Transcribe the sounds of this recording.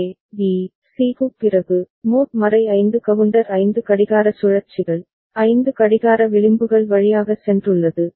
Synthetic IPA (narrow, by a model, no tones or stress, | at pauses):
ʋiː | siːkupɪrɐɣɯ | muːʈmɐɾɐɪɐɪnd̪ɯkɐʋɯɳɖɐɾɐɪnd̪ɯkɐɽɪɣaːɾɐsʊɻɐɾt͡ʃːɪɣɐɭ | ɐɪnd̪ɯkɐɽɪɣaːɾɐʋɪɻɪmbɯɣɐɭʋɐɻɪjaːɣɐsɛndrɯɭːɐðɯ